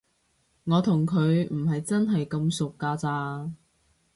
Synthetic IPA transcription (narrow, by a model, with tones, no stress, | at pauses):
ŋɔː˨˧t̪ʰʊ˨˩ŋkʰɵ˨˧ɥm̩˨˩ɦɐ˨jt͡sɐ˥nɦɐ˨jkɐ˧msʊ˨kːaː˧t͡saː˧